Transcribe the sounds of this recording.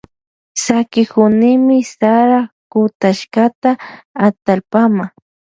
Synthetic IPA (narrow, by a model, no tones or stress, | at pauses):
sakɪkʊnɪmɪsaɾakʊt̪aʃkat̪aːt̪alpama